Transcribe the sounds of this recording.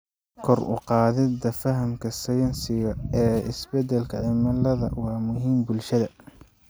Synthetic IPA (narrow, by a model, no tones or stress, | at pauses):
kʰɔrʊ̰qɑːðɪd̪ɐfɐɦɐmkʰɐsɐjɐnsɪɣɐɛːɪsbɛd̪ɛlkʰɐʕɪmɐlɐðɐ̰wɑːmʊɦiːmbʊlʃɐðɐ